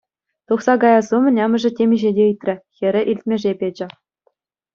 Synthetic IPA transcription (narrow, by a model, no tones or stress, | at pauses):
t̪uχsɑɡɑjɑzumʲɘ̆nʲɑmʲɘ̆ʐɘ̆tʲemʲiʑedʲeɯt̪ʲrʲɘ̆xʲɘ̆ɾʲɘ̆ʔilʲtʲmʲeʐepʲed͡ʑɘ̆